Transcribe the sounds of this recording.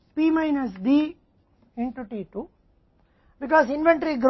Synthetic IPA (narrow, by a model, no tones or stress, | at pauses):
piːmaɪnɐs̬d̪iː | ẽɳʈuʈiʈu | bikɔːsinʋẽɳʈɾiɡɾ